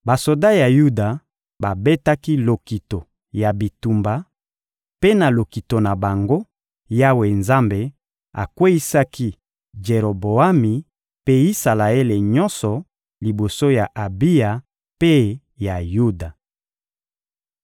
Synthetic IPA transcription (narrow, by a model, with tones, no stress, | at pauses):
ba˨so˨da˦ja˨ju˦da˨ | ba˨be˦ta˦ki˦lo˨ki˨to˨ | ja˨bi˨tu˨mba˨ | pe˦na˨lo˨ki˨to˨na˨ba˨ŋɡo˦ | ja˦we˨nza˦mbe˨ | a̰˨kwe˦i˦sa˦ki˦ | d͡ʒe˨ʁo˨bo˨a˦mi˨ | pe˦i˦sa˨la˨e˦le˨ɲɔ˦nsɔ˨ | li˨bo˨so˦ja˨ʔa˨bi˦ja˨ | pe˦ | ja˨ju˦da˨